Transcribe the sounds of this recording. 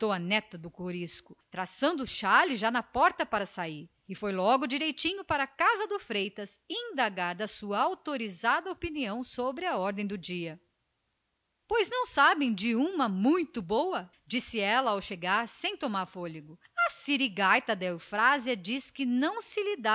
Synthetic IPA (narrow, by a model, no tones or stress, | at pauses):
t̪owɐnɛt̪ɐd̪ʊkoɾiskʊt̪ɾasɐ̃nd̪ʊʊʃalɪʒanɐpɔɾt̪ɐpaɾɐsaiɾ | ɪfojlɔɡʊd͡ʒiɾejt͡ʃĩɲʊpaɾɐkazɐd̪ʊfɾejt̪ɐsĩnd̪aɡaɾd̪ɐsuɐawt̪oɾizad̪ɐopiniɐ̃w̃sobɾɪɐɔɾd̪ẽj̃d̪ʊd͡ʒiɐ | pojznɐ̃w̃sabẽj̃d͡ʒɪũmɐmũj̃t̪ʊbowɐ | d͡ʒisɪɛlɐawʃeɡaɾsẽj̃t̪omaɾfoliɡʊ | ɐsiɾiɡajt̪ɐd̪ɛwfɾaziɐd͡ʒiskɪnɐ̃w̃sɪlid̪a